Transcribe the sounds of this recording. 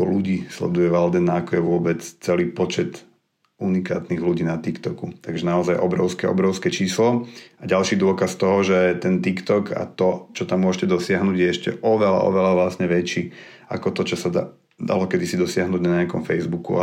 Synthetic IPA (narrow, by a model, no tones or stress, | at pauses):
ɔluɟiːslɛ̰d̪ujɛʋald̪ɛnːaːkɔjɛʋʊɔbɛt͡st͡sɛliːpɔt͡ʃɛt̪ | unika̰ːt̪niɣluɟiːnat̪ikt̪ɔkut̪aɡʒɛnaɔzajʔɔbɾɔʊskɛɔ̰bɾɔʊskɛt͡ʃiːslɔaɟalʃiːd̪ʊɔkast̪ɔɦɔʒɛt̪ɛnt̪ikt̪ɔkʰa̰t̪ɔt͡ʃɔt̪amːʊɔʒcɛd̪ɔsɪaɦnuːɟjɛɛʃcɛ̰ʔɔʋɛla̰ʔɔ̰ʋɛlaʋlasɲɛʋɛt͡ʃiː | a̰kɔt̪ɔt͡ʃɔsad̪a | d̪a̰lɔkɛd̪isid̪ɔsɪaɦnuːɟnaɲɪakɔmfɛjzbukṵa̰